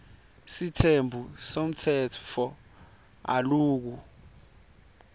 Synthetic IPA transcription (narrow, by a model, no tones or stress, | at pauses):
sitʰembʱusom̩tʰɛɔ | a̰luːk̬u